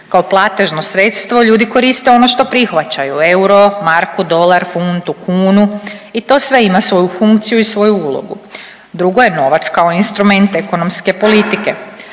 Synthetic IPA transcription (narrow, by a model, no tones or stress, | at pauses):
kao̞plˠat̪e̞ʒno̞sɾe̞t̪st̪ʋo̞ʎuːd̪iko̞ɾist̪e̞o̞no̞ʃt̪o̞pɾixʋat͡ɕajue̞wuɾo̞maɾkud̪o̞laɾfunt̪ukuːnuit̪o̞ːsʋe̞imasʋo̞jufuŋkt̪sijuisʋo̞juulˠo̞̰ɡṵ | d̪ɾuɡo̞je̞no̞ʋat̪skaoinst̪ɾume̞nt̪eko̞no̞mske̞po̞lit̪ike̞